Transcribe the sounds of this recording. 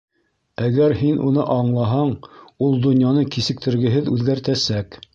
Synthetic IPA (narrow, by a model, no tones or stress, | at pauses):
æɡæɾɦinʔṵnɤʔɑɴlˠɑɦɑɴulˠd̪ŏnjɑnɤkisɘ̆k̚t̪ɘ̆ɾɡɘ̆ɦɘðʉðɡæɾt̪æsæk